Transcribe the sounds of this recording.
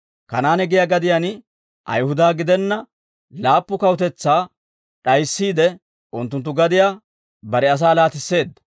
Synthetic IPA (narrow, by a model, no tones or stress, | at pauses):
kɐnaːnɛɡɪjaːɡɐd̪ɪjan | ʔɐ̰jhʊd̪aːɡɪd̪ɛnːɐ | laːpːʊkɐwʊt̪ɛt͡sːaː | ɗɐjsːiːd̪ɛ | ʔʊnt̪ːʊnt̪̬ːʊɡɐd̪ɪjaː | bɐɾɛɐs̬aːlaːt̪ɪsːe̞ːd̪ːɐ̥